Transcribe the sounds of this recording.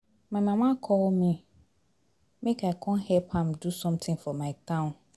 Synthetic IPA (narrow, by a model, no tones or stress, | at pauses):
mãmãmãkʰɔwɔmĩ | mɪ̃kʰakʰɔ̃nhɛpʰãmdusɔ̃mtʰɪ̃ŋfɔmãɪtʰãn